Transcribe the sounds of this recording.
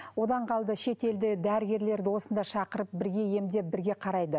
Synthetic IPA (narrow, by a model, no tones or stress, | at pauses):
wo̞d̪ɑɴqʰɑlˠd̪əʃe̞t̪e̞ld̪ɪd̪æɾɪɡʲe̞ɾle̞ɾd̪ɪwo̞sənd̪ɑʃɑqəɾəp̚bɪɾɡʲe̞je̞md̪e̞p̚bɪɾɡʲe̞qʰɑɾɑjd̪ə